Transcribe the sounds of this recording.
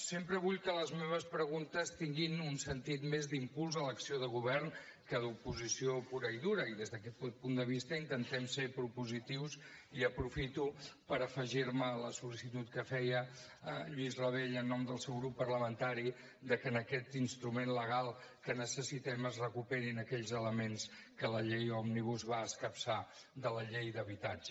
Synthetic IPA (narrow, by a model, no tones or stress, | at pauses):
sempɾəβuʎkələzmeβ̞əspɾəɣunt̪əst̪iŋɡinunsənt̪it̪mezd̪impulˠzələksioðəɣ̞uβɛrn | kəðupuzisiopuɾəiðuɾəiðezðəkɛt̪t̪pund̪əβist̪əint̪ənt̪ɛmsepɾupuzit̪iwsiəpɾufit̪upəɾəfəʒiɾmələsulisit̪ut̪kəfɛjə | əʎuizrəβeʎənːɔmd̪əlˠsɛwɣɾupːərləmənt̪aɾi | d̪əkəːnəkɛt̪inst̪ɾumenləɣ̞alˠkənəsəsit̪ɛməzrəkupɛɾinəkɛʎzələmenskələʎejɔmniβ̞uzβaəskəpsa | d̪ələʎejd̪əβit̪ad͡ʒ